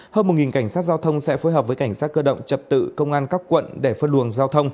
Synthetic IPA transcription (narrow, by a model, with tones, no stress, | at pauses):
həː˧nm˨˩t̚ŋi˨˩nka˧˩jŋ̟saː˦˥t̚zaː˧wt̪ʰə˧wŋ͡msɛ̰˧˥fo˨˦jɦəː˨˩p̚vəː˨˦jka˧˩jŋ̟saː˦˥t̚kəː˧ɗə̰˧˨wŋ͡mt͡ɕə˨˩p̚t̪ɨ̰˧˨kə˧wŋ͡mʔaː˧nkaː˦˥kːwə̰˧˨nɗe˧˩fə˧nlu˨˩əŋzaː˧wt̪ʰə˧wŋ͡m